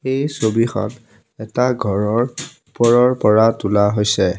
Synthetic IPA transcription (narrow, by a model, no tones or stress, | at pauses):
ejsobixɔ̰n | ɛtaɡʱɔɹɔɹupɔɹɔɹpɔɹatulaɦojsɛ